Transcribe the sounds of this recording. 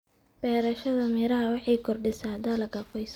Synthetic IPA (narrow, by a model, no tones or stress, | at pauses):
b̥ɛːɾɐʃɐðɐmɪɾɐɦɐwɑħɑjkʰɔrɖɪsaːd̪ɐlɐɡɐfɔjs